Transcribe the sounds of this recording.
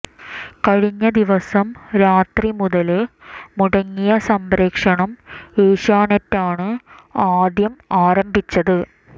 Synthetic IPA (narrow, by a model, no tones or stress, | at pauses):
kɐɻiɲːɐd̪iʋɐsɐmɾaːt̪rimuðɐlɨmuɽɐŋːijɐsɐmbɾeːkʂɐɳɐmeːɕaːɳɐtːaːɳɨaːd̪jɐmaːɾɐmbʱit͡ɕːɐðɨ